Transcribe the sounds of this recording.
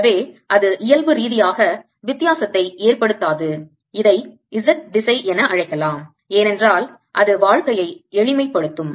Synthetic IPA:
ʋeːʔɐðɯʔɪjɐlʋɯɾiːðɪjaːɣɐ | ʋɪt̪ːɪjaːsɐt̪ːɐɪeːrpɐɽɯt̪ːaːðɯ | ɪðɐɪ | ɪzɐt̚d̪ɪsɐɪʔɛnɐʔɐɻɐɪkːɐlaːm | eːnɛndraːl | ʔɐðɯʋaːɻkɐjɐɪɛɻɪmɐɪpːɐɽɯt̪ːɯm

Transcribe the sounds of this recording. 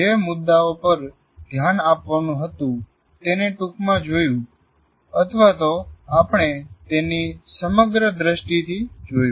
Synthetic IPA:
d͡ʒemʊd̪ːaopəɾ | d̪ʱjanapʋanũɦət̪ũ | t̪eneʈukmãd͡ʒojũ | ət̪ʰəʋat̪oapɳ̃et̪enisəməɡɾəd̪ɾəʃʈit̪ʰid͡ʒojũ

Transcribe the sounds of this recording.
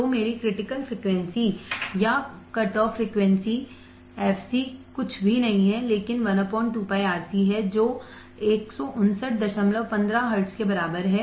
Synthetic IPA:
omeːɾikɾɪʈɪkəlfɾiːkʋɛ̃nsijakɐʈɔːfɾiːkʋɛ̃nsi | ɛːfsikʊt͡ʃʰbʱinɐɦĩɦɛleːkɪnʋɐnəpɔːɳʈuːpaːiaːt̪iɦɛd͡ʒoː | eːksɔʔʊnsəʈ̚d̪ɐʃəmləʋpɐ̃nd̪ɾaɦɐɾʈskebɐɾaːbəɾɦɛ

